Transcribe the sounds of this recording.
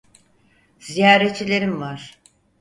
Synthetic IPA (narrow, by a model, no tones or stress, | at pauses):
z̥ijaːɾet̪t͡ʃʰilʲe̞ɾimvaɾ̥